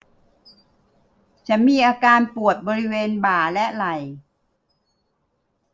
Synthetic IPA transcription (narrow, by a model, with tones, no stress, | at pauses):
t͡ɕʰa˦˥nmiː˧ʔaː˧kaː˧npu˨˩ət̪̚bɔː˧ɾi˦˥weː˧nbaː˨˩lɛ˦˥ʔla˨˩j